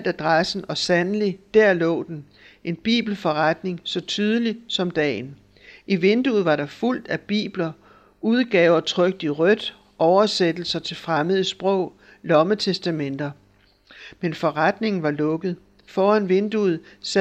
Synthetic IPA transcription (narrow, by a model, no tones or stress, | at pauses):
d̥æd̥ʁasn̩ɒ̽sænəlid̥æɐ̰lɔ̰̽ːd̥en | ʔe̝nb̥ḭːb̥l̩fɒ̽ʁad̥ne̝ŋsɒ̽t͡sʰyːð̞ˠəlisɒ̽md̥ɛ̰ːn | iʋe̝nd̥uð̩ˠʋɑ̈ɾɑ̈ful̰d̥æb̥ḭːb̥lɐ | uð̞ˠɡ̥ɛ̰ːʊɐt͡sʰʁœɡ̥̚d̥iʁœd̥ | ʔɒʊɐsed̥l̩sɐt͡sʰe̝lfʁaməð̩ˠəsb̥ʁɔ̰ʊ̰ | lɒ̽mət͡sʰesd̥æmen̰d̥ɐ | menfɒ̽ʁad̥ne̝ŋn̩ʋɑ̈lɔ̽ɡ̥ð̩ˠ | fɒːænʋe̝nd̥uð̩ˠs